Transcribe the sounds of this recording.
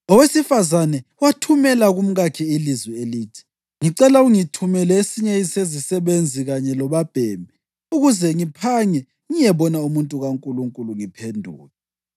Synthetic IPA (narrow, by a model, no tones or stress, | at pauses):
ɔwesifazanɛwatʰumɛlaɣum̩ɣakʰiilizwieliːtʰi̥ | ŋiǀɛlauŋitʰumɛlɛesiɲɛisezisɛβend͡zʱiɣaɲɛlɔβab̥ʱɛːmbʱi | uɣuzɛŋipʰaɲɛ | ŋijɛβɔnaumuntʼuɣaŋkʼuluŋkʼuluŋipʰendʱṵːlɛ